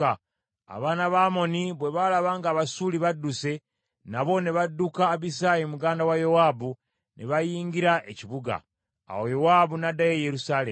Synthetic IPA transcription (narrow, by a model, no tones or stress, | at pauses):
a̰βaːnaβaːmo̞niβwe̞βalaβaːŋɡaːβasuːliβadːuse̞ | naβo̞ne̞βadːukaːβisajimuɡaːndawajowaːbu | nʔḛβajiːŋɡiɾaʔe̞ciβuɡa̰ː | wo̞jowabunadːajejeɾusaːle